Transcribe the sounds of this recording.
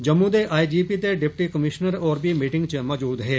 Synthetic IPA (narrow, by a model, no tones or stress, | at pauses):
d͡ʒɐmːud̪eʔaːid͡ʒiːpit̪eɖɪp̚ʈikɐmɪʃnəɾɔːɾbimiːʈɪ̃ŋɡt͡ʃəmɔːd͡ʒuːd̪ɦɛː